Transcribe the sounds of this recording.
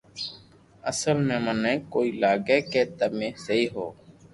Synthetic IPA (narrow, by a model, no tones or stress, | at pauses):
əsəlmẽːmənɛ̃ːkoːiːlaːɡeːkeːt̪əmẽːsəɦiːɦo̰ː